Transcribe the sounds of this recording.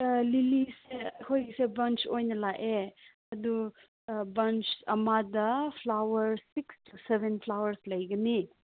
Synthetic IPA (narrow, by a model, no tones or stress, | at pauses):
lilisekʰojɡsebɐnt͡ʃojnɐlaʔe | ɐdu | bɐnt͡ʃɐmadɐpʰlawɐɾsikstʰusebʱenpʰlawɐɾslɐjɡɐni